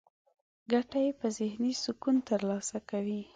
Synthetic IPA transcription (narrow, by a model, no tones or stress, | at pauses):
ɡaʈajepəzɪhnisʊkunt̪əɾlɑsakawi